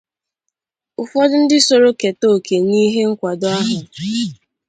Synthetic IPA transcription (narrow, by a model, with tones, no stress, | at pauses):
ʊ˨fɔ˦dʊ˦n̩˦dɪ˦so˨ɾo˦ke˨to˦˨ke˨ni˦ɦe˦ŋ̩˦kʷa˨dɔ˦a˦ɦʊ˨